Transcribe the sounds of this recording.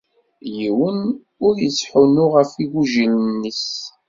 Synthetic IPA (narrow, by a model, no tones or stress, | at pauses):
jiwən | ʊɾjəsħunʊʁəfiɣuʒilnːis